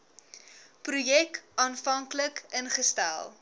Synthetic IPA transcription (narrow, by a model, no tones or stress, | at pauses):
prujɛkɑːnfɐŋkləkənχəstæ̰lˠ